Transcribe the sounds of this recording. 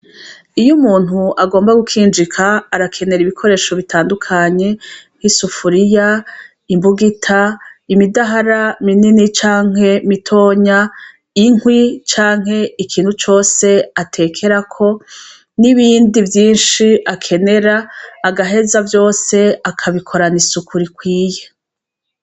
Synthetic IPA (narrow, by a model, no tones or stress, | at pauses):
ijumuːn̥huʔaɡo̞ːmbaɡukʰiːnd͡ʒikʰaːɾakʰe̞ne̞ɾiβikʰo̞ɾe̞ːʃo̞βitʰaːndukʰaɲe̞hisufuɾija | imbuɡitʰaimidaɦaɾamininit͡ʃaːŋ̥ɦe̞mitʰo̞ːɲa | iŋwit͡ʃaːŋɦe̞ikʰiːnhut͡ʃo̞ːse̞atʰe̞ːkʰe̞ɾakʰo̞ | niβiːndivjiːnʃiʔakʰe̞ne̞ɾaːɡaɦe̞zavjo̞ːse̞akʰaβikʰo̞ɾanisukʰuɾikwiːje